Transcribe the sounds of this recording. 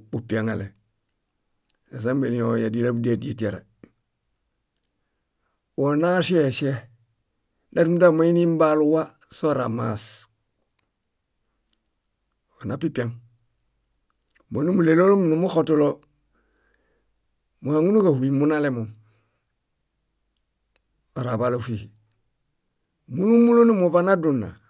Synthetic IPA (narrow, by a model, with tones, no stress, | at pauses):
upiaŋa̰le | a˨s̬a˦mbe˨liojadila˦budedi˦etiaɾḛ | wona˦ʃe˦˨ʃe | na˦tu˦mu˦da˦mo˦i˦nim˦baluwa˦ | so˦ɾa̰ma̰s | wo˨na˨pi˦pia˨ŋ | mo˨nu˦mu˨le˨lo˦lo˦mu˨nu˨mu˦xotu˦lo˦ | mu˨ha˨ŋu˦nu˦ka˨hu˨i˨mu˦na˦le˦mu˨ŋ | o˨ɾa˨ba˨lo˨fihi | mu˦nu˦mu˦lo˦nu˦mu˨ba˦na˦dunːa̰˨